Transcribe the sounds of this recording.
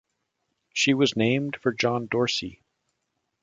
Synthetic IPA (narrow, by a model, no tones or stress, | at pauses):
ʃiwʌznẽɪ̃md̥fə˞d͡ʒɑ̃ndɔɹsḭ